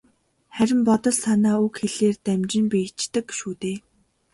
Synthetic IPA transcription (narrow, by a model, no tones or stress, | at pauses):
χæɾʲɪ̆mpɔt̪ɞ̆ɮsanaːukxeɮeːrt̪æmt͡ɕɪ̆mpiːt͡ɕt̪ə̆kʃuːt̪eː